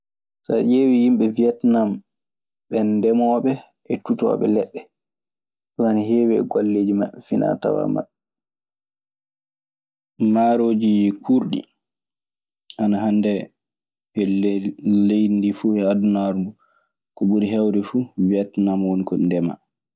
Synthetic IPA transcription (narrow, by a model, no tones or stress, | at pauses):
sa̰d͡ʒewijimɓɛviɛtnam | ɓɛndɛmɔɓɛ | ʔɛtutɔ̰ɓɛ̰lɛɗːɛ | waniɦeːwɛɡalːeːd͡ʒimaɓːɛfina̰ta̰wa̰ma̰ɗɛ | maɾoːd͡ʒikʰuɾɗḭ | ʔanaɦandɛ | ɛ | lejndifuɛadunaɾmu | kɔɓuɾiɦɛwdɛfuviɛtnamwonikɔndɛma̰